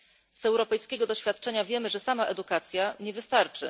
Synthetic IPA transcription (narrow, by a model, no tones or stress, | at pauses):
zɛwɾɔpɛjskʲɛɡɔd̪ɔɕfʲjat̪t͡ʂɛɲavʲjɛmɘʐɛsamaʔɛd̪ukat̪sʲjaɲɛvɘst̪aɾt͡ʂɘ̰